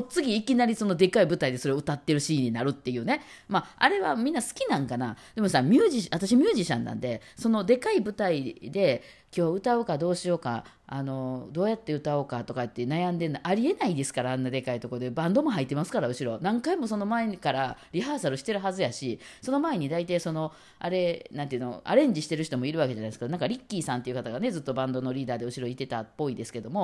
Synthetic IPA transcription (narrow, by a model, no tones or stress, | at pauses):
ot͡sɨɡʲiːkʲinaɾʲiso̞no̞d̪e̞kaibɯ̟t̪aid̪e̞so̞ɾe̞oɯ̟t̪at̪ːe̞ɾɯ̟ɕiːɲ̟ːinaɾɯ̟t̪ːe̞jɯ̟ːne̞ | maa̰ɾe̞βa̰mʲĩnːasɨ̥kʲinãŋkanad̪̥e̞mo̞samʲɨːʑiɕat̪aɕ̬imʲjɨːʑiɕã̰nːã̰nd̪e̞so̞no̞d̪e̞kaibɯ̟t̪aid̪e̞ | kʲo̞ːɯ̟t̪aokad̪o̞ːɕio̞ːka̰ː | no̞d̪o̞ːjat̪ːe̞ɯ̟t̪aoːkat̪o̞kat̪ːenajãnd̪e̞nʔaɾʲie̞naid̪e̞sɨ̥kaɾaːnːad̪e̞kait̪o̞kod̪ebãnd̪o̞mo̞ɦait̪ːemasɨ̥kaɾaɯ̟ɕiɾonãŋkaimo̞so̞no̞maekaɾaɾʲiɦaːsaɾɯ̟ɕi̥t̪e̞ɾɯ̟ɦazɨjaɕiso̞no̞mae̞ɲ̟id̪ait̪aiso̞no̞ | a̰ɾe̞nãnt̪eɯ̟no̞̰ʔa̰ɾẽ̞ɲ̟d͡ʑiɕi̥t̪e̞ɾɯ̟çi̥t̪o̞mo̞iɾɯβake̞d͡ʑanajiesɨ̥kad̪onãŋkaɾʲikʲːiːsãnt̪e̞iɯ̟kat̪aɡane̞zɨt̪ːo̞bãnd̪o̞no̞ɾʲiːd̪aːd̪e̞ɯ̟ɕiɾo̞it̪e̞t̪apːo̞id̪e̞sɨ̥ke̞d̪o̞mo̞